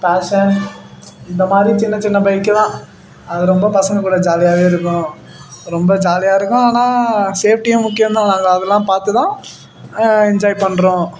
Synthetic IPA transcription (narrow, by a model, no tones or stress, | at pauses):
paːʂɐn | ɪnd̪ɐmaːd̪ɾit͡ʃɪnːɐt͡ʃɪnːɐbɐɪkːɯt̪ãː | ɐðɯɾɔmbɐpɐsɐŋɡɐkuːɽɐd͡ʒaːlɪjaːʋeːɪɾɯkːʊ̃ | ɾɔmbɐd͡ʒaːlɪjaːɪɾɯkːʊ̃aːnaːseːf̚ʰʈijɐmʊkːɪjɐmd̪ãːnãːŋɡɐːðɛlːãːpaːɾt̪ɯt̪ãː | ɪɲd͡ʒaːjpɐɳːɾõː